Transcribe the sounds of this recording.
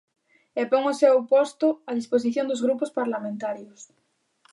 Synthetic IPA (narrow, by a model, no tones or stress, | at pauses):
epoŋosewpost̪oaðispos̬iθjond̪ozɣɾupospaɾlamẽnt̪aɾjos